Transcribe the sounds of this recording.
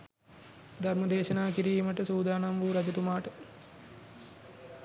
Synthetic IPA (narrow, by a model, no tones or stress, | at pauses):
d̪ʱarmɐd̪eːʃɐnaːkiɾiməʈəsuːd̪aːnamʋuːɾɐd͡ʒɐt̪umaːʈə